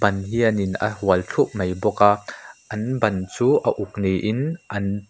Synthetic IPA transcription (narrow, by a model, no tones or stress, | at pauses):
bɐnɦiɐninɐ̰ɦuɐlt͡ɬʰuʔmɐjbɔkaʔɐnbɐnt͡suːʔɐʔuk̚nejʔɪnʔɐn